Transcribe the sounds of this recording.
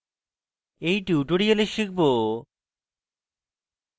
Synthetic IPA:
ejʈuʈoɾieleʃik̚ʰbo

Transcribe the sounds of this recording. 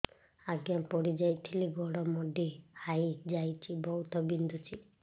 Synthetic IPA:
aɡjampɔɽid͡ʒajt̪ʰiliɡɔɽɔmɔɖihajd͡ʒajt͡ʃʰibɔɦut̪ɔbind̪ʱut͡ʃʰi

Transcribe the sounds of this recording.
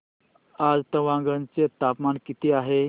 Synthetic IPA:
ad͡zt̪əʋãŋɡənt͡set̪apmankit̪iaɦe

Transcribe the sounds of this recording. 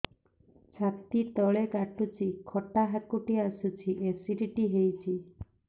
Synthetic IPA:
t͡ʃʰakt̪it̪ɔɭekaʈut͡ʃʰikʰɔʈaɦakuʈiasut͡ʃʰiʔesiɖiʈiɦejt͡ʃʰi

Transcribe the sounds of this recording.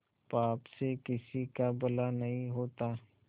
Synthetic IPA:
paːpsekɪsikabɐlanɐɦĩɦoːt̪aː

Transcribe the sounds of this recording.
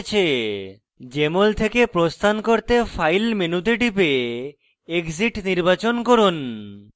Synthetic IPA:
t͡ɕʰe | d͡ʑemolt̪ʰekepɾost̪ʰankoɾt̪efʰajlmenut̪eʈipe | ekziʈniɾbat͡ɕonkoɾun

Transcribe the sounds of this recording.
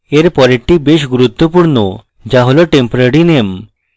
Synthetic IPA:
eɾpɔɾeʈːibeɕ̬ɡuɾut̪ːəpuɽnɔ | d͡ʑaɦolɔʈempɔɾeɽinem

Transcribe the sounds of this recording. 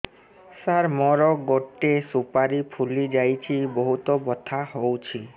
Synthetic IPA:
saɾmɔɾɔɡɔʈːesupaɾipʰulid͡ʒajt͡ʃʰiboɦut̪ɔbɔt̪ʰaɦowt͡ʃʰi

